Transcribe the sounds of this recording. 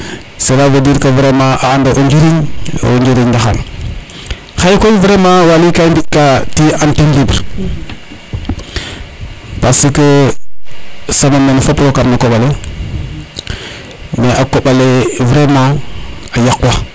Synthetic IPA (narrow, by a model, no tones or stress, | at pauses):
seɾavediɾkəvɾemaʔaːndaʔuɲd͡ʒiɾiɲa̰uɲd͡ʒiɾindaxa̰l | xaikoviɾemawalikaindikatiantindibɾ | pasikə | samamenfopɾokaɾnakoɓale | meakoɓalevɾemaajaka